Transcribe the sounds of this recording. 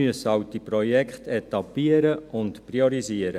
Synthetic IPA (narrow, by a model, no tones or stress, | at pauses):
yəsɑwt̪iprɔjɛkχt̪ɛt̪ɑpiəɾəʊntpriɔɾiziəɾə